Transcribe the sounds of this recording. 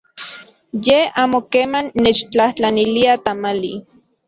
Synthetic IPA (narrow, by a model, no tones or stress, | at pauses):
jeaːmokeːmanːet͡ʃt͡ɬaht͡ɬaniliat̪amalḭ